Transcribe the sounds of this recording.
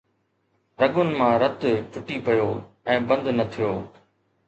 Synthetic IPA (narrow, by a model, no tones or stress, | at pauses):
ɾɐɠʊnɪ̆mãːɾɐt̪pʊʈipɐjoː | ɛ̃ːbɐ̃nd̪nɐt̪ʰijoː